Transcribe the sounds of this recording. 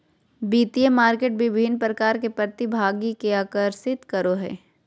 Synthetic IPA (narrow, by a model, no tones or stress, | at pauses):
biːt̪ijemaːɾkeːʈ̚bɪbʱɪnpɾɐkaːɾkepɾɐt̪ibʱaːɡikeaːkəɾsɪt̪kɐɾoɦɛ̰ː